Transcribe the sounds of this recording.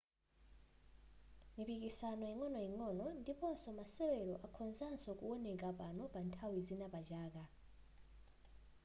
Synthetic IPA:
mipikisanɔjiŋɔnɔjiŋɔnɔndipɔsɔmasɛwɛlɔʔakʰɔnzansɔkuɔnɛk̬ʼapanɔpantʰawizinapad͡ʒaːka

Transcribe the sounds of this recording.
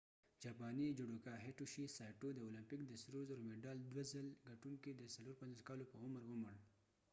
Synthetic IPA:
d͡ʒapɑnid͡ʒʊɖokaɦeʈuʃisɑʈod̪əolampɪkd̪əsɾozɾomeɖɑld̪wazəlɡaʈuŋkid̪əsaloɾpanzoskɑlopəʊməɾʊməɽ

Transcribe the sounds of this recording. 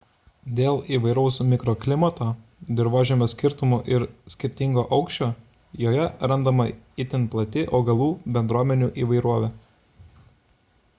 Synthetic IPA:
d̪ʲeːlˠiːʋɐɪɾɐʊsmʲɪkɾoːklʲɪmɐt̪oːd̪ʲɪɾʋoːʒʲɛmʲosʲkʲɪɾt̪ʊmoʔɪɾsʲkʲɪɾʲt̪ʲɪŋɡoːʔɒʊkʃʲt͡ʃʲoː | joːjɛɾɐnd̪ɐmɐɪt̪ʲɪnplˠɐt̪ʲɪʔoːɡɐlˠuːbʲɛnd̪ɾuɔmʲɛnʲuːʔiːʋɐɪɾuɔʋʲɛː

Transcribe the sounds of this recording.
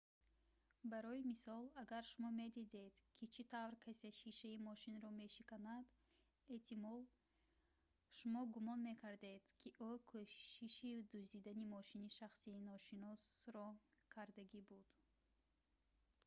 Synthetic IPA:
baɾɔimisɔlaɡaɾʃumɔme̞d̪id̪e̞d̪kʰit͡ʃʰit̪ʰavɾkʰaseʃiʃaimɔʃinɾɔme̞ʃikanad̪ | e̞ht̪ʰimɔl | ʃumɔɡumɔnme̞kʰaɾd̪e̞d̪̥kʰiʔukʰɔʃiʃid̪uzd̪id̪animɔʃiniʃaχsiːnɔʃinɔsɾɔkʰaɾd̪aɡibud̪̥

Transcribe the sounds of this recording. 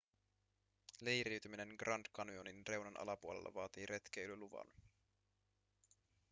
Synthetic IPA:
lejrɾiwt̪ymine̞nɡrʔɑnd̪kɑnuoninre̞wnɑnʔɑ̰lɑpuolelːɑ̰ʋɑːt̪iːɾe̞t̪k̟ejlyluʋɑ̰n

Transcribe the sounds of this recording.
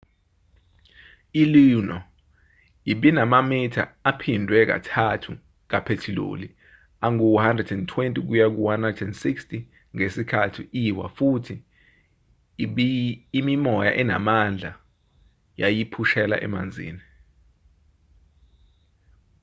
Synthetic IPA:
ilinɔ | iɓinamamitʰa̰apʰindʱwɛk̬a̰tʰatʰu | k̬apʰetʰilo̰li | aŋuhandrɛdɛntʰwentʼik̬ujak̬uwandrɛdɛndsikstʰʼi | ŋesikʰatʰiʔiwa̰futʰi | ɓiːmimɔja̰ʔɛna̰mand͡ɮʱa̰ | jajipʰuʃɛla̰ʔɛ̰ma̰nd͡zʱḭːni

